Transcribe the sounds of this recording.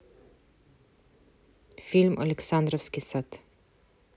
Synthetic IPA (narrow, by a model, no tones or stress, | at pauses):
fɪlmʔa̰lɛksand̪ɾɔfskisat̪